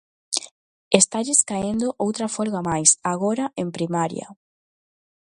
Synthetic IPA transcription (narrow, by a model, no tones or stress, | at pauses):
est̪aʎɪskaend̪oʔowt̪ɾɐfolɣamajsaɣoɾaʔempɾimaɾjɐ̰